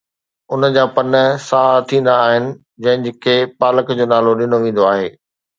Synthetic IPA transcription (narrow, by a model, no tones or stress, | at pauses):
ʊnəd͡ʑaːpɐnəsaːt̪ʰĩːn̆d̪aːɦɪnɪ̆ | d͡ʑɐ̃ɦɪ̃d͡ʑɪkʰeːpaːləkd͡ʑoːnaːloɗɪnoʋẽːnd̪oaːɦeː